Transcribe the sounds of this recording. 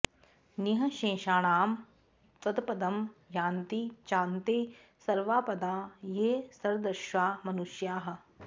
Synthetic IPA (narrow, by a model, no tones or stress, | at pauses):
nɪɦɐʃẽːʃaːɽaːm | tɐd̪pɐd̪ɐmjaːnt̪it͡ʃãːnt̪eː | sɐɾʋaːpɐd̪aːjeːsɐɾd̪ɐɾʃaːmɐnuʃjaːɦɐ̆